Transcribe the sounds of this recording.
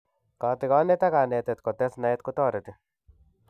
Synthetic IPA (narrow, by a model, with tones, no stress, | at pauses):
ka˨t̪ɪ˨kɔ˦ne˦t̪a˦ka˨ne˨t̪e˨t̪kɔ˨t̪ɛ˦sna˨ɛ˦t̪kʊ˦t̪ɔː˦˨ɾet̪ɪ˨